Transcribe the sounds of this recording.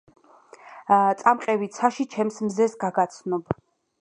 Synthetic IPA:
t̪sʼamqʼɛvit̪sʰaʃit͡ʃʰɛmsmzɛsɡaɡat̪sʰnɔb

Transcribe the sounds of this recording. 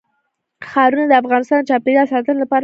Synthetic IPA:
xɑɾunad̪əafɣɑnɪst̪ɑnt͡ʃɑpeɾiasɑt̪ənlapɑɾ

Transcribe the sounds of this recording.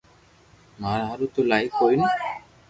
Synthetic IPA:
maɾɦaɾut̪olajkojna

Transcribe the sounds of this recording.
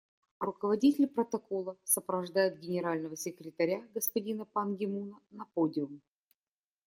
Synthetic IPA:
rʊkəvɐdʲitʲɪlʲpɾət̪ɐko̞lˠəsəpɾəvɐʐd̪ajʊd̪̚ɡʲɪnʲɪɾalʲnəvəsʲɪkɾʲɪt̪ɐɾʲaɡəspɐdʲinəpanɡʲɪmunənɐpodʲɪʊm

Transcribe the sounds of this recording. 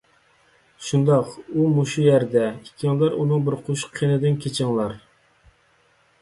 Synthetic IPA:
ʃund̪ɑqumuʃujæɾd̪ɛikʲʰːiŋlˠɑɾunɨŋbɪɾqʰuʃqʰːenɪd̪ɪnkʲʰet͡ʃʰɪŋlˠɑɾ

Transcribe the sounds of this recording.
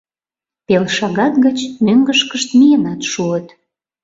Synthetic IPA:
pelʃɑɣɑt̪ɣət͡ɕnøŋɡəʃkəʃt̪mijenɑt̪ʃuət̪

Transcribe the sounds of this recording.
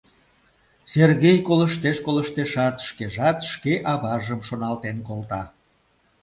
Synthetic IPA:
serɣejkoləʃt̪eʃkoləʃt̪eʃɑt̪ʃkeʒɑt̪ʃkeʔɑβɑʒəmʃonɑlt̪enkolt̪ɑ

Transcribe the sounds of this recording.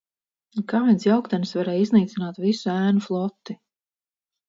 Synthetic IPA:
kaːvɛnsjawkt̪ɛnsvaɾɛjizniːt̪sinaːt̪visuæːnuflˠɔt̪ːi

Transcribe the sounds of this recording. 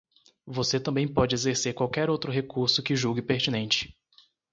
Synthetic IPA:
voset̪ɐ̃mbẽj̃pɔd͡ʒɪezeɾseɾkwawkɛɾowt̪ɾʊɦekuɾsʊkɪʒuɡɪpeɾt͡ʃinẽnt͡ʃɪ̥

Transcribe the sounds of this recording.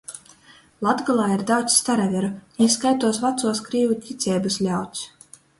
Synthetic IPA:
lˠad̪ɡalˠaːiɾd̪awt̪sst̪aɾavʲɛɾuiskajt̪uɔsvat̪suɔskɾiːvutʲit̪sʲɛːbɨslʲawt̪s

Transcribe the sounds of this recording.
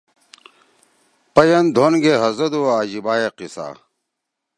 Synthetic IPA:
pɐjɐnd̪ʱonɡeɦɐzɐd̪uaːd͡ʑibaːjeqisa̰ː

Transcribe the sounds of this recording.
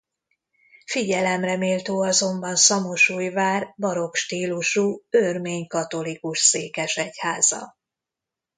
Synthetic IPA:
fiɟɛlɛmrɛmeːlt̪øːɒzo̞mbɒnsɒmo̞ʃuːjvaːrbɒɾo̞kʃt̪iːluʃuørmeːɲkɒt̪o̞likuʃseːkɛʃɛchaːzɒ̰

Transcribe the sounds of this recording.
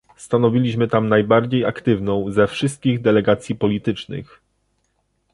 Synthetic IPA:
st̪anɔvʲilʲiɕmɘt̪amnajbaɾd͡ʑejakt̪ɘvnɔ̃w̃zɛfʂɘst̪̚kʲiɣd̪ɛlɛɡat̪sʲjipɔlʲit̪ɘt͡ʂnɘ̰x

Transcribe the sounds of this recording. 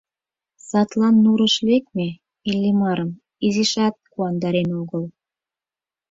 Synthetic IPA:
sɑt̪lɑnːuɾə̆ʃlekme | ilʲːemɑɾəm | iziʃɑt̪̚kuɑnd̪ɑɾenoɣəl

